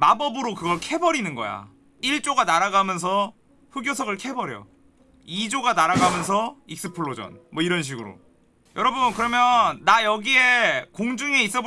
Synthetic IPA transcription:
mabʌbɯɾokɯɡʌɭkʰe̞bʌɾinɯnɡʌ̰ja̰ | iɭt͡ɕ͈oɡanaɾaɡamjʌns̬ʰʌ | ɸɯɡjosʰʌɡɯɭkʰe̞bʌɾjʌ̰ | id͡ʑoɡanaɾaɡamjʌns̬ʰʌik̚s͈ɯpʰɯɭːod͡ʑʌ̰nmwʌiɾʌnɕ̬ʰiɡɯɾo̰ | jʌɾʌbunkɯɾʌmjʌnːajʌɡie̞koŋd͡ʑɯŋeis͈ʌb

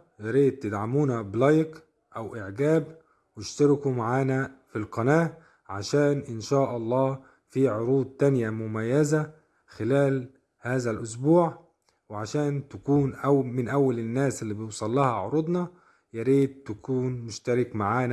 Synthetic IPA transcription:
jaɾiːd̪̚t̪ɪd̪ʕamuːnæblɑjk | ʔæwʔɪʕɡæːb | wɪʃt̪ɑɾɪkumaʕaːnæfilqɑnaːʔ | ʕaʃæːnʔɪnʃaːʔɑlˤːɑː | fiːʕoɾuːd̪̚ˤt̪anjæmʊmæjːæzæ | xɪlæːl | haːzælʔʊs̬buːʕ | wɪʕaʃæːnt̪ækuːnʔæwmɪnʔæwːælɪnːæːsɪlːiːbɪjusˤɑlːɑhɑʕʊɾˤʊd̪ˤnɑ | jaɾiːd̪̚t̪akuːnmʊʃt̪ɑɾɪkmaʕaːn

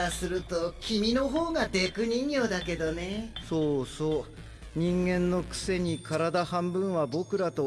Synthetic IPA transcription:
asɨɾɯ̟t̪o̞kʲimʲino̞ɦo̞ːɡad̪e̞kɯ̟ɲ̟ĩɲjo̞d̪ake̞d̪o̞ne̞soːsoː | ɲ̟ĩŋɡẽ̞nːo̞kɯ̟̥se̞ɲ̟ikʰaɾad̪ahãmbɯ̟̃ɰ̃βabo̞kɯ̟ɾat̪o̞

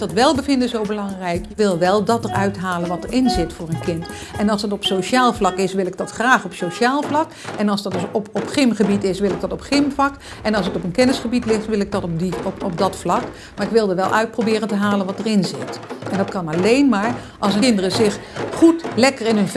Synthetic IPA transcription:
d̥ɑtʋɛlˠbəvɪndəzowbəlɑŋrɛjkəʋɪlˠʋɛlˠdɑtəɹœɥtɦaːlənʋɑtəɹɪnzɪtfʊːɹənkɪnt | ɛnɑlˠsdɑtɔpsoʃaːlˠvlɑkɪsʋɪlˠɪɡ̚dɑtχraːχɔpsoʃaːlˠvlɑk | ɛnɑlˠzdɑtdspɔpχɪmχəbitɪsʋɪlɪɡ̚dɑtɔpχɪmvlɑk | ɛnɑlˠsətɔpənkɛnəsχəbitlɪχtʋɪlˠɪɡ̚dɑtdiɔp̚dɑtflɑk | maːɹɪkʋɪlˠdəʋɛ̰lˠʔœ̰ɥt̚prowbɪːrəntəɦaːlənʋɑtəɹɪnzɪ̰tɛndɑtkɑnɑlejnmaːɹ | ʔɑlˠsəɪndərəzɪχχutlɛkəɹɪnɦɵnv

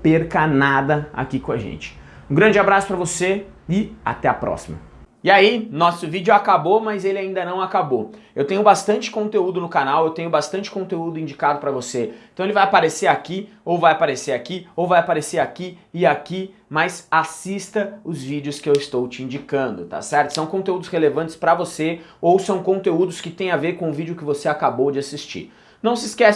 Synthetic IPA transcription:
peɾkɐnad̪ɐa̰kikõaʒḛ̃nt͡ʃɪ̥ | ũɡɾɐ̃nd͡ʒɪabɾasʊ̥pɾɐvose | ɪa̰t̪ɛapɾɔ̰simɐ̰ | ɪainɔsʊvid͡ʒʊakabomɐzelɪaĩnd̪ɐnɐ̃w̃akabo | ewt̪ẽɲʊbast̪ɐ̃nt͡ʃɪ̥kõnt̪eud̪ʊnʊkanawewt̪ẽɲʊbast̪ɐ̃nt͡ʃɪ̥kõnt̪eud̪ʊĩd͡ʒikad̪ʊpɾɐvosẽt̪ɐ̃w̃elɪvajapaɾeseɾaki | owvajapaɾeseɾakiowvajapaɾeseɾakiɪaki | majsasist̪ɐʊzvid͡ʒɪʊskɪewɪst̪owt͡ʃɪĩd͡ʒikɐ̃nd̪ʊt̪a̰sɛɾt̪ʊsɐ̃w̃kõt̪eud̪ʊshelevɐ̃t͡ʃɪ̥spɾɐvoseowsɐ̃w̃kõnt̪eud̪ʊskɪt̪ẽj̃aveɾkõʊ̃vid͡ʒʊkɪvoseakabowd͡ʒɪasist͡ʃḭɾ | nɐ̃w̃sɪskɛ

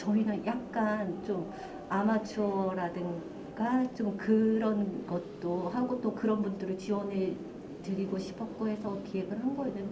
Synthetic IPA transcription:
t͡ɕʌinɯnjak̚k͈ant͡ɕ͈om | amat͡ɕʰoɾadɯŋ | ɡat͡ɕomkɯɾʌnɡʌt̚t͈oɦaŋɡot͈okɯɾʌnbundɯɾɯɭt͡ɕiwʌne | tɯɾiɡoɕʰi̥pʰʌk͈oɦe̞sʰʌkiɦe̞ɡɯɭɦanɡʌenɯn

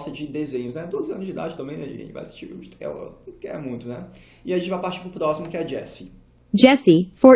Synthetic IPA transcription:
sɐd͡ʒɪd̪ezẽɲʊznɛd̪ozɪɐ̃nʊzd͡ʒɪid̪a̰d͡ʒɪt̪ɐ̃mbẽj̪̃ɐḭḛ̃t͡ʃɪva̰jasi̥st͡ʃiud͡ʒɪt̪ʰɛ̰lɐ̰kɛ̰mũj̃t̪ʊnɛ | ɪaɐʒẽt͡ʃɪvajpaɾt͡ʃi̥pɾʊpɾɔsimʊkɪɛd͡ʒɛsɪ | d͡ʒɛsifo

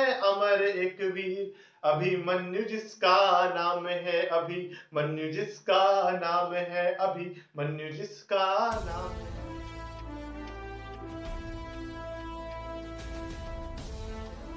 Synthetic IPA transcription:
ɛɐmaːɾeeːkbʱi | ɐbʱimɐnjʊd͡ʒɪskanaːmɦɛɐbʱimɐnːjud͡ʒɪskanaːmɦɛʔɐbʱi | mɐnjud͡ʒɪskanaːmɦɛ

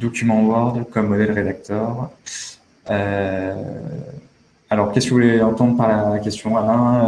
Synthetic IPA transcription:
d̪ɔkʲymɑ̃wɔʁd̪kɔmːɔd̪ɛlʁed̪ak̚t̪œːʁ | ø | alɔʁkʲɛskəvulɛɑ̃t̪ɑ̃d̪ʁpaʁlakʲɛst̪jɔ̃alɛ̃

